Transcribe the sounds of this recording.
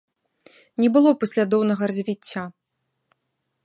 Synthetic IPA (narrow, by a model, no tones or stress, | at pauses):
nʲɛbɨlˠɔpɐsʲlʲad̪ɔwnɐɣɐrɐzʲvʲit͡sʲːa